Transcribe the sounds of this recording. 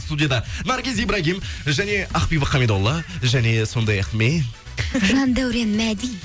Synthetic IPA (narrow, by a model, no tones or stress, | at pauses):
st̪ud̪ijad̪ɑnɑɾɡʲezijbɾɑɡʲimʒæne̞ɑqpijbəqʰːɑmed̪olˠːɑʒæne̞so̞nd̪ɑjɑqme | ʒɑnd̪æwɾenmæd̪ij